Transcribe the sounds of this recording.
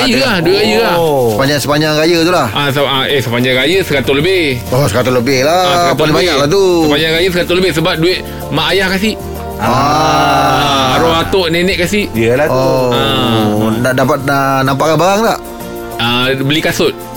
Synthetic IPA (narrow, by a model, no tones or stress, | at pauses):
ajəahdueʔajəlasəpaɲd͡ʒaŋsəpaɲaŋrajət̪ulahʔasəaesəpaɲd͡ʒaŋɾajəsəkat̪ʊləbɪhosəkat̪ʊləbɪhlapaliŋbaɲaʔlat̪uəpaɲd͡ʒaŋɾajəsəkat̪ʊləbɪhsəbap̚dueʔ̚ | maʔajahkasiʔ | a | aaɾoat̪oʔnenɛʔ̚kasiʔəlao | naʔdapat̪̚ənampaʔkanbaɾaŋt̪aʔ | abəlikasʊt̪̚